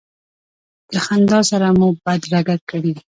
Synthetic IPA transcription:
d̪̥əxand̪ɑsaɾamubad̪ɾaɡakəɽi

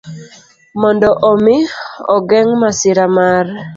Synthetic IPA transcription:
mɔndɔʔɔmɪɔ̰ɡɛŋmasɪɾamar

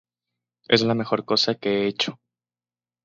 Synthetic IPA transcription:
e̞̰zlame̞xo̞ɾko̞sakeeet͡ʃo̥

